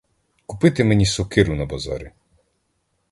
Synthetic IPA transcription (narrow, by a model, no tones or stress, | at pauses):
kupɪt̪ɪmenʲisɔkɪɾʊnɐbɐzɑ̰ɾʲi